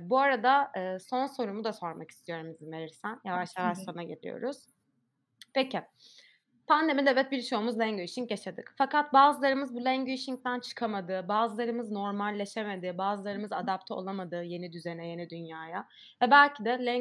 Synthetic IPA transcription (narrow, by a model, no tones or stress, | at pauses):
buaɾad̪aɯːso̞nso̞ɾumud̪aso̞ɾmaki̥st̪ʰijo̞ɾumbizimve̞ɾiɾsænjavaʃlˠavaʃsonaɟelʲḭjo̰ɾuz̥ | peci | pʰand̪emid̪ɛvɛt̪̚biɾt͡ʃʰo̞ːmuzlʲæŋyʃiŋjaʃad̪ɯkfakat̪̚baːzɯlˠaɾɯmɯzbulʲæŋɟyiʃiŋc̚t̪ʰænt͡ʃʰɯ̥kʰamad̪ɯːbaːzɯlˠaɾɯmɯzno̞ɾmalʲːe̞ʃeme̞d̪ibaːzɯlˠaɾɯmɯzad̪ap̚t̪ʰɛo̞̰lˠamad̪ɯːje̞nid̪yze̞nɛje̞nid̪ynjaːja | vɛbælʲcʰid̪ɛlʲæ